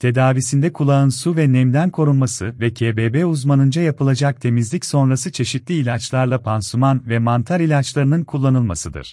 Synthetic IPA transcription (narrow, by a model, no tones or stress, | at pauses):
t̪ʰe̞d̪aːvisind̪ɛkʰulˠaɯnsuvɛnɛmd̪ænkʰo̞ɾunmasɯvɛcʰeːbebɛuzmanɯnd͡ʒajapɯlˠad͡ʒak̚t̪ʰe̞mizlʲicso̞nɾasɯt͡ʃʰe̞ʃit̪lʲiːlʲat͡ʃlˠaɾlˠapʰansumanvɛmant̪ʰaɾilʲat͡ʃlˠaɾɯnɯnkʰulˠːanɯlˠmasɯd̪ɯ̰ɾ̥